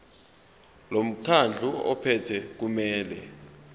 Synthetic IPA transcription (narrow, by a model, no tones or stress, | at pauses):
lom̩kʰand͡ɮʱuɔ̰pʰɛtʰɛk̬umɛːlɛ̰